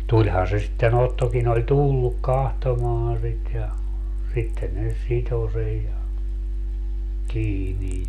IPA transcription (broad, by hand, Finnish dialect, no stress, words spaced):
tulʲhɑː se sitːen otːokin olʲ tulːuk kɑhtomɑːɑ̃ sit jɑ sitːe ne sito sej jɑ kiːnij